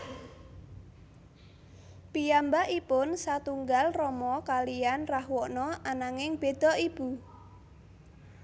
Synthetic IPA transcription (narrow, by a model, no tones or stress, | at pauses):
pijambaʔipʊnsat̪uŋɡalrɔmɔkalijanrahwɔʔnɔʔanaŋɪŋb̥e̤d̪̥ɔ̤ʔib̥u